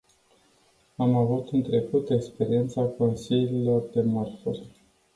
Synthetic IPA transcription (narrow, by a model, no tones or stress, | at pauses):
amavut̪ɨnt̪ɾe̞kut̪e̞kspe̞ɾie̞nt̪sako̞nsiliilo̞rd̪e̞morfurʲ